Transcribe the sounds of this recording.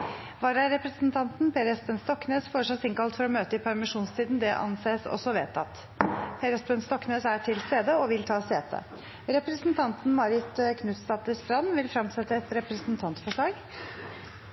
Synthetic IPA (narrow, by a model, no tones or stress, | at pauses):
ʋɑːɾɑɾɛpɾəsnt̪ʰɑnt̪npʰeːɾɛspənst̪ɔkːneːsføːʂɑsɪŋkɑlt̪fɔɾɔmøːt̪əɪpʰæɾmɪʂuːnst̪ʰiːd̪nd̪ɛʔɑ̰nseːsɔ̰sɔʋeːt̪ɑt̪ | pʰeːɾəspɛnst̪ɔkːneːsæʈʰɪlst̪eːd̪əɔʋɪlt̪ʰɑːseːt̪ʰə̰ | ɾɛpɾəsnt̪ʰɑnt̪n̩mɑɾɪt̪kʰnʉt̪sɑt̪əst̪ɾɑnːʋɪlfɾɑmsɛt̪ːəɛt̪ɾɛpɾəsnt̪ʰɑnt̪fɔʂɭɑːɡ